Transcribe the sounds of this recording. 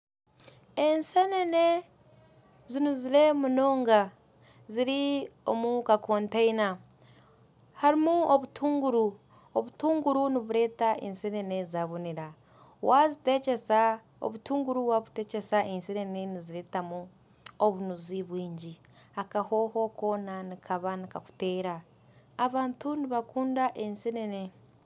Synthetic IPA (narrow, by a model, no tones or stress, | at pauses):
ensenene̞ | zinuziɾe̞muno̞ːŋɡa | ziɾio̞̰mukakʰoːntaina | haɾimuoβutʰuːŋɡuɾu | oβutuːŋɡuɾuniβuɾe̞ːtaʔḛnsenene̞zaβuniɾa | wazitecesa | o̰βutuːŋɡuɾuwaβute̞ce̞saʔenseneneniziɾe̞ːtamu | oβunuziβwiːɲɟi | akaho̞ho̞ko̞ːnanikʰaβanikaku̥te̞ːɾaː | βaːntuniβakuːndaʔensenene̞